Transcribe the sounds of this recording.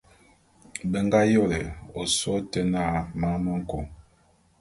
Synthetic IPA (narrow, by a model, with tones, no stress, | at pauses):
bɛ˨ŋ˦ɡa˦jo˦˨lɛ˨o˨sɔ˦tɛ˦na˦˨ma˦mɔ˦ŋ̩˦kɔ˨